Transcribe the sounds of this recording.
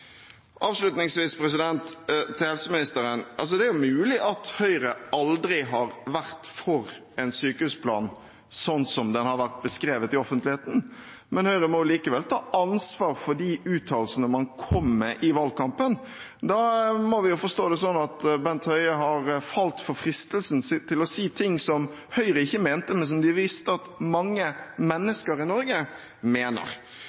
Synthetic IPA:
ʔɑːʋʂlʉt̪nɪŋsʋiːspɾɛs̬ɪd̪ɛnt̪t̪ʰːɪhɛlsəmɪnɪst̪əɾənʔɑ̰ls̬ɔd̪ɛæɾjʊmʉːlɪʔɑt̪hœʏɾəɑld̪ɾɪɦɑɾʋæʁt̪fɔɾ | ɛnsyːkəʉspʰlɑ̰ːn | sɔnsɔmd̪ɛnhɑɾʋæʁt̪̚bəskɾeːʋət̪ɪɔfənt̪lɪheːt̪n̩ | mɛnhœʏɾəmɔjʊliːkəʋɛlt̪ʰɑːʔɑnsʋɑːɾfɔɖiʔʉːt̪ʰːɑːlsənəmɑnkʰɔmːɛʔɪʋɑlkɑmpən | d̪ɑmɔʋɪjʊfɔʂst̪oːd̪ɛsɔnːɑt̪bɛnt̪hœʏəɦɑɾfɑlt̪fɔɾfɾɪst̪əlsnst̪ʰɪlɔsiːt̪ʰɪŋːsɔm | hœʏɾəɪçːəmeːnt̪əmɛns̬ɔmd̪ɪʋɪst̪əɑt̪mɑŋːəmɛnːəskəɾɪnɔɾɡə | meːnə̰ɾ

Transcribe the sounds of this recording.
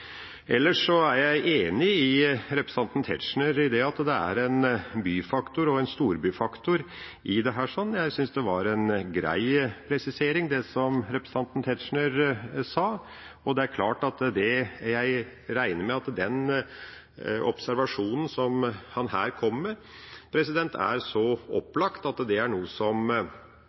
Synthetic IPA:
ʔɛlːəʂɔæɾjæɪʔeːnɪɪɾɛpɾɛsɑnt̪n̩t̪ʰɛ̰t̪ʂɳəɾɪd̪ɛɑt̪d̪ɛæ̰ɾɛnbyːfɑkt̪ʊɾɔɛnst̪uːɾbyːfɑkt̪ʊɾ | ʔɪd̪ɛɦæːʂɔnːjæɪsʏnsd̪ɛʋɑɾɛnɡɾæ̰ɪpʰɾɛsɪseːɾɪŋd̪ɛsɔmɾɛpɾə̥sɑnt̪n̩t̪ʰɛt̪ʂɳəɾsɑː | ɔd̪ɛæɾkʰlɑːʈɑt̪d̪ɛjæɪ | ɾæɪnəɾmɛɑt̪d̪ɛn | ɔpsæɾʋɑʂuːnən̩sɔmhɑnhæ̰ːɾkʰɔmːɛ | pʰɾɛsɪd̪ɛnt̪ʰæ̰ɾsɔɔpːlɑkt̪ɑt̪d̪ɛæɾɳuːəsɔm

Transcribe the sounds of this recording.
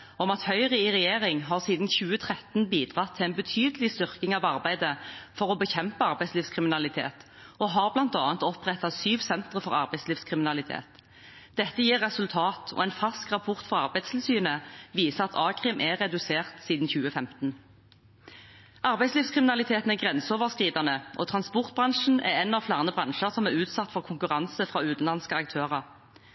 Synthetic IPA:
ɔmɑt̪hœʏʁɪɪʁɛjeːʁɪŋɦɑːʁsiːd̪n̩çʉːət̪ʰʁɛt̪n̩biːd̪ʁɑt̪ʰːɪɛnbət̪ʰyːd̪əlɪst̪ʏʁkɪŋɑʋɑʁbæɪd̪əfɔʁɔbəçɛmpəɑʁbæɪsliːʋskʰʁɪmɪnɑlɪt̪ʰḛːt̪ | ɔɦɑʁblɑnt̪ɑːnt̪ɔpʁɛt̪ːɑsyːʋsɛnt̪ʁəfɔʁɑ̰ʁbæɪsliːʋskʰʁɪmɪnɑlɪt̪ʰḛːt̪ | d̪̥ɛt̪ːəjiːʁːɛsʉlt̪ʰɑːt̪ʰɔ̰ːɛnfɑlskʁɑpʰɔʁt̪fɔʁɑʁbæɪd̪st̪ʰɪlsyːnəʋiːsəɑt̪ʰɑːkʰʁɪːmʔæʁɛd̪ʉseːʁt̪siːd̪n̩çʉːəfɛmt̪n̩ | ʔɑʁbæɪsliːfskʰʁɪmɪnɑlɪt̪ʰeːt̪n̩æʁɡʁɛnsoːʋəʁskʁiːd̪ɑnəʔɔ̰ːt̪ʰʁɑnspɔʁt̪̚bʁɑŋʂn̩æ̰ʁɛnːɑʋflæːʁnəbʁɑnʃəʁsɔmæʁʉːt̪sɑt̪ːfɔʁkʰʊŋkʉʁɑnsəfʁɑːʉːt̪n̩lɑnskəɑkt̪ʰøːʁɑʁ

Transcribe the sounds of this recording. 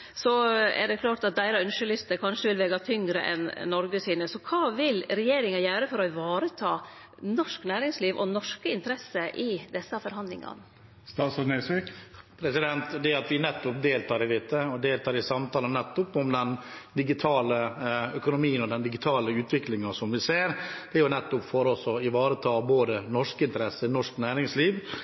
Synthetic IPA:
sɔɛ̰ɖɛkʰlɑːʈɑt̪̚d̪æɪɾɑœnʂəlʏst̪əkʰɑnʂəʋɪlʋɛɡɑt̪ʰʏŋɡɾə̰ʔɛ̰nːɔɾɡəsiːnəsɔkʰɑːʋɪlɾɛjeːɾɪŋɑjæːɾəfɔɾɔʋɑːɾət̪ʰɑː | nɔʂknæːɾɪŋsliːʋʔɔ̰nɔʂkəɪnt̪əɾɛsːəʔɪd̪ɛsːɑfɔɾɦɑnlɪ̰ŋɑ̰n | st̪ɑːt̪sɑnesʋikpʰɾɛsɪd̪ɛnt̪d̪ɛɑt̪ʋɪnɛt̪ːʊp̚d̪eːlt̪ʰɑːɾɪd̪ɪt̪ːəɔd̪eːlt̪ʰɑːɾɪsɑmt̪ɑːlənnɛt̪ːʊpʊmd̪ɛn | d̪ɪɡɪt̪ʰɑːləœkʊnʊmiːənɔd̪ɛnd̪ɪɡɪt̪ʰɑːləʉːt̪ʰʋɪklɪŋɑsɔmʋɪseːɾd̪̥ɛjʊnɛt̪ːʊpfoːɾɔsɔɪʋɑːɾət̪ʰɑːboːd̪ənɔʂkəɪnt̪əɾɛsənɔʂknæːɾɪŋsliːʋ

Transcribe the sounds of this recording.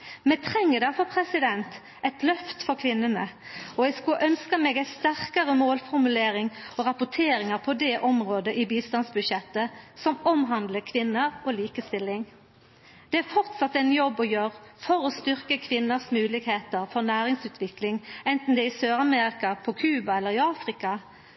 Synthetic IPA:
mɛt̪ʰʁɛŋːəd̪ɛfɔpʰʁɛsɪd̪ɛnt̪ | ɛɪt̪lœft̪fɔɾkʰʋɪnːənəɔjɛskʉʔœnskəmeːɡæɪst̪æʁkɑʁəmoːlfɔʁmʉleːɾɪŋɔʁɑpʊʈʰeːɾɪŋəʁpʰɔd̪ɛʔɔmʁoːd̪əʔibiːst̪ɑnsbʉd̪ʃɛt̪ːəsɔmɔmɦɑnd̪ləkʰʋɪnːəʁɔːliːkəst̪ɪlːɪŋ | d̪̥ɛæfɔʁt̪sɑt̪ːɛɪnjɔbːɔjøːʁəfɔɾɔst̪ʏʁkəkʰʋɪnːəsmʉːlɪɡheːt̪əʁfɔʁnæːʁɪŋsʉːt̪ʰʋɪklɪŋɛnt̪n̩d̪ɛɪsøːʁɑmeːʁɪkɑpʰɔkʰʉːbɑɛlːəʁɪɑːfʁɪkɑ

